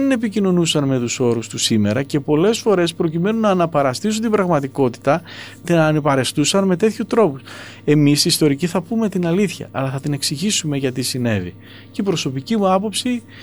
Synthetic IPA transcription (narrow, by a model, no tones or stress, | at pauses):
ene̞picino̞nusɐnme̞t̪uso̞ɾust̪usime̞ɾɐce̞po̞le̞sfo̞ɾe̞spɾo̞cime̞nunɐːnɐpɐɾɐst̪is̬unt̪ibɾɐɣmɐt̪iko̞t̪i̥t̪ɐ | t̪nɐnepɐɾe̞st̪usɐnme̞t̪e̞t̪çut̪ɾo̞pus | e̞misiːst̪o̞ɾiciθɐpume̞t̪inɐliθçɐ̰ʔːlɐθɐt̪ine̞ksiʝisume̞ʝɐt̪isine̞̰vḭ | ceipɾo̞so̞picimuɐpo̞psi